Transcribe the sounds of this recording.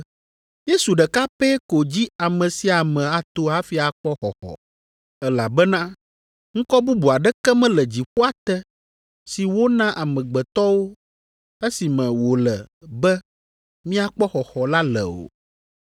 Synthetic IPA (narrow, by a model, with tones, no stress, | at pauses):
je˦su˨ɖɛ˨ka˦pɛ˦ko˨d͡ʑi˦a˨mɛ̃˨si˦a˨mɛ̃˨a˨t̪o˨a˦fi˦a˨k͡pɔ˦xɔ˨xɔ̰˨ | ɛ˦la˨bɛ˦nã˦ | ŋ̩̃˦kɔ˦bu˦bu˨a˨ɖɛ˦kɛ˦mɛ̃˦lɛ˨d͡ʑi˨ɸu˦a˦t̪ɛ˦ | si˨wo˦nã˦ʔa˨mɛ̃˨ɡ͡bɛ˨t̪ɔ˦wo˦ | e˦si˨mɛ̃˨wo˨lɛ˨bɛ˦ | mĩ˦a˨k͡pɔ˦xɔ˨xɔ˨la˦lɛ̰˨o̰˨